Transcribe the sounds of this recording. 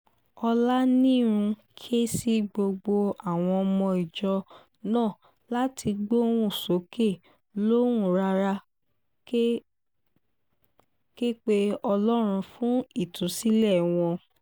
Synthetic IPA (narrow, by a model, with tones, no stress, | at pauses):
ɔ˧la˦nĩ˦˨ɾ̃ũ˧kʰi˦e˦si˦ɡ͡bo˧ɡ͡bo˧a˨w̃ɔ̃˧ɔ˧mɔ̃˧i˨d͡ʒɔ˧ | nãː˦˨ | la˦tʰi˧ɡ͡bo˦ɾũ˦˨so˨˦ke˦˨ | lõ˦ũ˦˨ɾa˧ɾa˧˦ | ke˦k͡pe˦ɔ˧lɔ˦ɾ̃ũ˧fũ˦i˦˨tũ˨˦si˦lɛ˦˨w̃ɔ̃˧